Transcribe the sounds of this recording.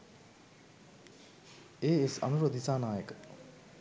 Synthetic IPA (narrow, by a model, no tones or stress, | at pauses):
eːesa̰nuɾod̪ʱisaːnaːjək